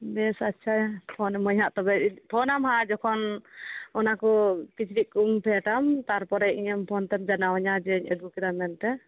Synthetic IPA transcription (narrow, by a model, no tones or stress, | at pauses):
bɛsatːt͡ʃʰapʰɔnɛmɔjɦaʔt̪ɔbɛpʰɔnamɦad͡ʒɔkʰɔn | ɔnakɔkit͡ʃɾikuŋpʰɛʈamt̪aɾpɔɾɛiɲɛmpʰɔnt̪ɛp̚d͡ʒanawaɲad͡ʒɛɲɛd̪ukiɾamɛnt̪ɛ